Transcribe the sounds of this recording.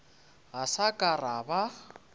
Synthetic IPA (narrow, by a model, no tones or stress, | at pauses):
ɣasakʼaraba